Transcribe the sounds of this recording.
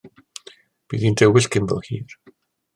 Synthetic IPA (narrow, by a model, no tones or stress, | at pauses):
b̥iːðindʰɛwɪɬkʰɪmbɔ̰lˠhḭːr